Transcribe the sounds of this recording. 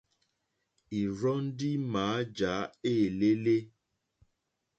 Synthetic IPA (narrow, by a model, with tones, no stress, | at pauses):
i˨ɾɔ˦n̩˦di˦maː˨˦d͡ʒa˨˦eː˦˨le˦le˦